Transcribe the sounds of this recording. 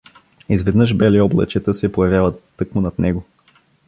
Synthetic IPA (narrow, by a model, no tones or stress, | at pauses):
izvɛd̪nɤʃbɛliɔblˠɐ̰t͡ʃɛt̪əsɛpojɐvʲjavət̪ːɤkmʊnɐt̪nɛɡo